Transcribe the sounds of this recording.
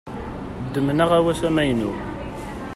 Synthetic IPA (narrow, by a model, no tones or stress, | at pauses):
d̪ːəmnəʁæwæsæmæjnu